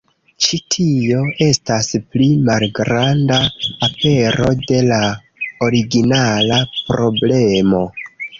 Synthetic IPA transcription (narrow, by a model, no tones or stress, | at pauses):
t͡ʃitʰio̞ʔe̞stasplimalɡɾandaːpe̞ɾo̞de̞la | o̞ɾiɡinalapɾo̞ble̞mo̞